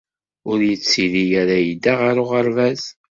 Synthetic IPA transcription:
ʊɾjət͡sːiðijæɾajid̪aʁaɾʊʁəɾvæz

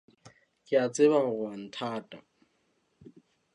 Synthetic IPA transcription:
kʼɪat͡sʼɪbaɣʊɣʊan̩tʰaːtʼa̰

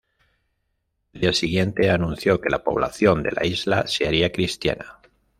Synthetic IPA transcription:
ald̪iasiɣ̞je̞nt̪e̞anũnθjo̞ke̞lapo̞̰β̞la̰θjo̞nd̪e̞̰la̰izlase̞aɾiakɾist̪ja̰na

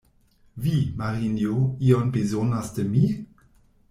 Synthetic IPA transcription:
vimaʁinjoionbezonasdəmi

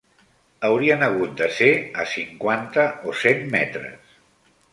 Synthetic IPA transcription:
əwɾiənəɣ̞ut̪̚d̪əseəsiŋkwant̪əosemmɛ̰t̪ɾə̰s

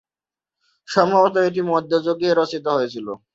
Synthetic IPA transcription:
ʃɔmbʱɔbot̪aeʈ̬imɔd̪ʱːod͡ʑoɡeɾɔsit̪oɦojet͡ɕʰilo

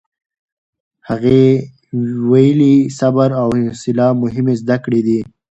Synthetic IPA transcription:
haɣe | wajəlisabaɾawɪnsɪlɑmʊɦɪmezd̪akɽed̪i

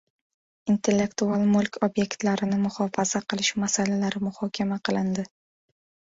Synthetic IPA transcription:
int̪ʰe̞lːe̞kt̪ualˠmʊlˠkʲʰobje̞kt̪laɾɪnɪmʊχɒfaz̥aqʰɨlˠɪʃmasalalaɾɪmʊhɒkʲʰamaqʰɨlˠɪnd̪ɪ

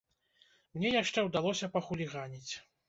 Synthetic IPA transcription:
mnʲɛjaʂt͡ʂɛwd̪alˠɔsʲɐpɐxulʲiɣanʲit͡sʲ

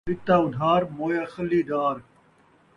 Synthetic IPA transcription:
ɪt̪aːʊd̪ʱaːɾmoːjaːxɐlːiːd̪aːɾ

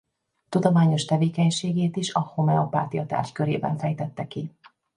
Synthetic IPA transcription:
t̪ud̪omaːɲo̞ʃt̪ɛveːkɛɲʃeːɡeːt̪iʃɒhomɛopaːt̪ijɒt̪a̰ːrʃkøɾeːbɛ̰ɱfɛjt̪ɛt̪ːɛki

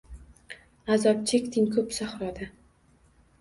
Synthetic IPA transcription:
azɒp̚t͡ʃʰekʲt̪ʰɪŋʲkʰɵpsaχɾɒd̪a

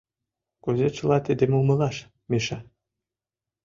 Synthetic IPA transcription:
kuzet͡ɕə̆lɑt̪ed̪emumɤ̆lɑʃ | mʲeʃɑ

